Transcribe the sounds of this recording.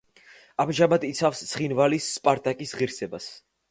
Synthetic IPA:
amʒamad̪it̪sʰafst̪sʰχinvalisːpʼaɾt̪ʼakʼisʁiɾsɛbas

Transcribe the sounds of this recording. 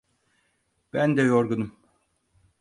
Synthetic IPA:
b̥ænd̪ɛjoɾɡunum

